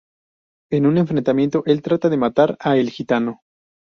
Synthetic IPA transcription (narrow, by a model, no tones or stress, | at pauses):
e̞nune̞ɱfɾe̞nt̪amje̞nt̪o̞ʔe̞lt̪ɾat̪aðe̞mat̪aɾaelxit̪ano̞